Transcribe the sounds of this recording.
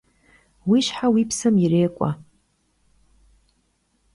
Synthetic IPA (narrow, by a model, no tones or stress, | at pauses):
wiʃħawipʰsɨmjireːkʷʼa̰